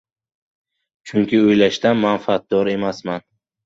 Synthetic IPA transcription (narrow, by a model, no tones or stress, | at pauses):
t͡ʃʰʊŋkʲʰɪojlaʃt̪anmanfat̪̚d̪ɒɾe̞masman